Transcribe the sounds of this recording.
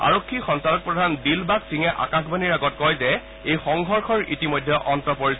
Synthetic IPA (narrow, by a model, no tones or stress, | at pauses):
a̰ɹokʰːixɔnsalɔk̚pɹɔdʱandilbaksiŋɛʔa̰kaxbaniɹaɡɔt̚kɔjzɛ | ejxɔŋɡʱɔɹxʰɔɹḭtimojdʱːɛʔɔntɔpoɹisɛ